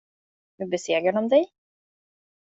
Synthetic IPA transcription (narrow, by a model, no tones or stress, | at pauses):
vɵbɛseːɡɾaɳɔmd̪ɛj